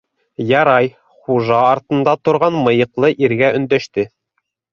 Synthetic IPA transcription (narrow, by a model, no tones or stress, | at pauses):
jɑɾɑj | χuʒɑːɾt̪ɤ̆nd̪ɑt̪ŏɾʁɑnmɤ̆jɤ̆qlˠɤʔiɾɡæɵ̆nd̪æʃt̪ɘ